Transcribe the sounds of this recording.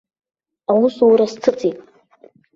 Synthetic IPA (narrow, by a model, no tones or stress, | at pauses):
awusuɾast͡sʰɨt͡sʼitʼ